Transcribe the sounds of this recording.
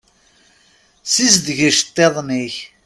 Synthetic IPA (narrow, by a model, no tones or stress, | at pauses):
sisd̪ʝəʃt̪ˤːeðˤniç